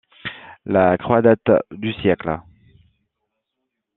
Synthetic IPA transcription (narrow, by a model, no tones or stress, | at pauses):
lakχwad̪at̪d̪ysjɛklə